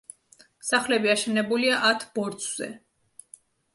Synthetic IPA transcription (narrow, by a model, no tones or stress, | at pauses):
saχlɛbiaʃɛnɛbuliaʔat̪ʰb̥ɔɾd̪sz̥ɛ̰